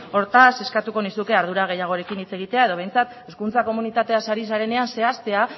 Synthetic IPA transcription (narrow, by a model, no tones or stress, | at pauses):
o̞ɾt̪ase̞skat̪uko̞nisukeaɾð̞uɾaɣ̞e̞jaɣ̞o̞ɾe̞kinit͡se̞ɣ̞it̪e̞ae̞ð̞o̞β̞e̞jnt͡sat̪e̞skunt͡sako̞munit̪at̪e̞asaɾisaɾe̞ne̞anse̞ast̪e̞a